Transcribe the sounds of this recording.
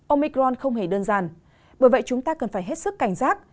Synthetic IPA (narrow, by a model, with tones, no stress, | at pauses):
ʔo˧mi˧kɔ˧nxə˧wŋ͡mhe˧˩ɗəː˧nzaː˨˩n | ɓəː˧˩jvə̰˧˨jt͡ɕʊ˨˦ŋ͡mt̪aː˧kə˨˩nfaː˧˩jɦe˦˥t̚sɨ˦˥kːa˧˩jŋ̟zaː˦˥k̚